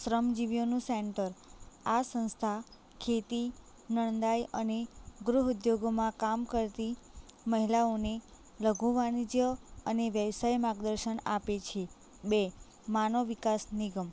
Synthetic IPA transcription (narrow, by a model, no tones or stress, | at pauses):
ʃɾəmd͡ʒiʋjonũseɳʈəɾasə̃nst̪ʰa | kʰet̪i | nəɳ̃d̪ajəneɡɾuɦud̪joɡomãkamkəɾt̪iməɦilaone | ləɡʱuʋanid͡ʒjəəneʋjəʋsajmaɡd̪əɾʃənapet͡ʃʰe | be | manoʋikasniɡəm